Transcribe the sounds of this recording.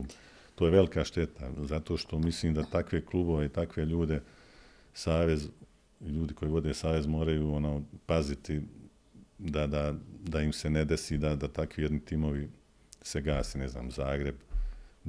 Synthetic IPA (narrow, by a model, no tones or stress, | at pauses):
t̪oːjeʋe̞likaʃt̪e̞t̪ʰazat̪o̞ːʃt̪o̞misliːmd̪at̪akʋeklˠuːbo̞ʋeit̪akʋe̞ʎuːd̪e̞ | saːʋe̞z | ʎuːd̪iko̞jiʋo̞d̪e̞ːsaːʋe̞zmo̞ːɾajuːonoːpazit̪i | d̪ad̪ad̪aimse̞ned̪e̞siːd̪ad̪at̪akʋijed̪nit̪imo̞ʋi | se̞ɡaːseːne̞zna̰ːmzaːɡɾe̞b